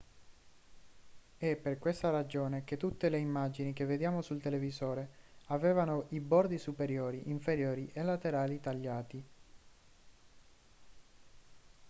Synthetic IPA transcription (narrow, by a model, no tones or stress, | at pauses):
ɛpːerkwest̪aɾad͡ʒoːneket̪ːut̪ːeleimːad͡ʒinik̟evːed̪jaːmosult̪elevizoːɾeavɛːvanoʔibɔrd̪isupeɾjoːɾiʔiɱfeɾjoːɾiʔelat̪eɾaːlit̪aʎːaːt̪i